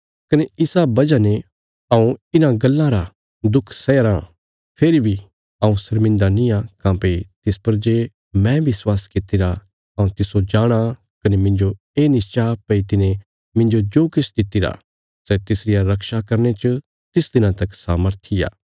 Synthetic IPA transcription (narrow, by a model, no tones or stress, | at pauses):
kɐneɪsabɐd͡ʒane | aũɪnãɡɐlːãɾa | d̪ʊkʰsɛːɾã | pʰeːɾibʱi | aũsɐɾmɪ̃nd̪anĩakãːpet̪ɪspɐɾd͡ʒeː | mɛ̃bɪswaːskɪt̪ɪɾa | ɐũt̪ɪsod͡ʒaːɽ̃a | kɐnemɪ̃nd͡ʒo | eːnɪst͡ʃapɐit̪ɪne | mɪ̃nd͡ʒod͡ʒoːkɪsd̪ɪt̪ːɪɾa̰ | sɛt̪ɪsɾɪjaɾɐkʃakɐɾnet͡ʃə | t̪ɪsd̪ɪnãt̪ɐksaːməɾt̪ʰija̰ː